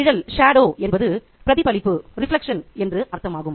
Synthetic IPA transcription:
ɪɻɐlʂaːɖoːʔɛnbɐðɯ | pɪɾɐðɪpɐlɪpːɯɾɪflɐkʂɐnɛndrɯʔɐɾt̪ːɐmaːɣɯm

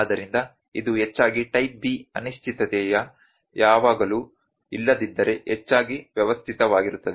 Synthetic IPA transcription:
ad̪ɐɾind̪ɐ | id̪uɦet͡ʃːaːɡiʈɐjp̚biɐ̰niʃt͡ʃit̪ɐt̪ɛjɐ | jaːʋaːɡɐlu | ilːɐd̪id̪ːɐɾe̞ɦɛt͡ʃːaːɡiʋjɐʋɐst̪ʰit̪ɐʋaːɡiɾut̪ːɐd̪

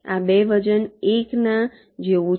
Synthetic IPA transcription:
a̰beʋəd͡ʒəneknã | d͡ʒeʋũ

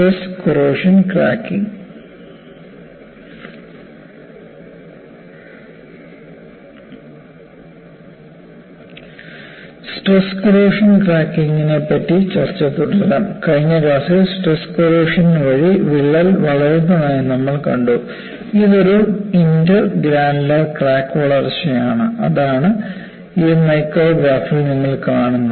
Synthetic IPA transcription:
ʈreskoroːʂɐnkra̰ːkːiŋ | sʈreskoroːʂɐnkraːkːiŋinepːɐtːit͡ɕɐrt͡ɕːɐt̪ːuɽɐɐnɐmkɐɻiɲːɐɾaːsisʈreskɐɾeːʂɐnʋɐɻiʋiɭːɐlʋɐɭɐɾunːɐnaːjnɐmːɐɭkɐɳɖu | iðoɾuindɐɡɾaːnlɐrkraːkːɐɭɐrɕɐjaːɳɨɐ̰ðaːɳɨ | imɐjkːoːʋjaːfriniŋːɐɭkaːɳunːɐð

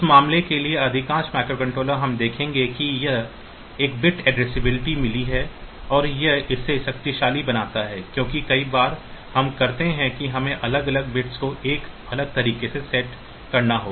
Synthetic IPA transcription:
ɪsmaːmlekelieɐd̪ʱɪkãːʃmɛːkɾokɐ̃ɳʈɾoːləɾɦɐmd̪eːkʰẽːŋɡekijɐɦ | eːk̚bɪʈɛːɖɾeːsɪbɪlɪʈimɪliɦɛɔːɾjɐɦɪsːeʃɐkt̪iʃaːlibɐnaːt̪aɦɛːkjõːkikɐibaːɾhɐmkɐɾt̪eɦɛ̃kiɦɐmẽʔɐləɡɐləɡ̚bɪʈskoʔeːk | ɐləɡ̚t̪ɐɾiːkesesɛʈ | kɐɾnaɦoː

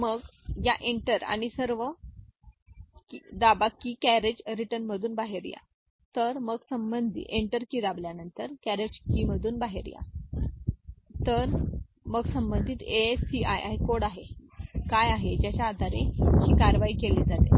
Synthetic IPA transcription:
məɡjaʔeɳʈəɾa̰ɽ̃isəɾʋə | kid̪abakːiːkæɾed͡ʑɾiʈənməd̪ʱuːnbaɦeɾja̰ | t̪əɾməɡsəmbənd̪ʱḭʔeɳʈəɾkiːd̪abljanənt̪əɾkæɾed͡ʑkiːməd̪ʱuːnbaɦḛɾja̰ | t̪əɾməɡsəmbənd̪ʱiːt̪esiʔajʔajkoɽaɦekajaɦed͡ʑjat͡ɕaːd̪ʱaɾḛkiːkaɾʋaiːkeled͡zat̪ḛ

